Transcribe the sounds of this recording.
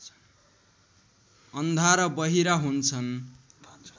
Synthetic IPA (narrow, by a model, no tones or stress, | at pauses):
ʌnd̪ʱaɾʌbʌɦiɾaɦunt͡sʰʌn